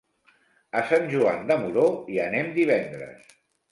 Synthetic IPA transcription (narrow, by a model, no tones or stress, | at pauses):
əsanʲʒua̰nd̪əmuɾoiənemd̪iβ̞ɛnd̪ɾə̰s